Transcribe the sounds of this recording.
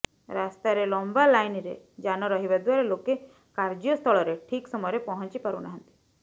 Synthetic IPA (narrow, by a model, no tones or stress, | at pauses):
ɾast̪aɾelɔmbalajniɾḛ | d͡ʒanɔɾɔɦibad̪waɾeloke | kaɾd͡ʒijɔst̪ʰɔɭɔɾeʈʰiksɔmɔjɾepɔɦɔnt͡ʃipaɾṵnaɦə̃nt̪i̥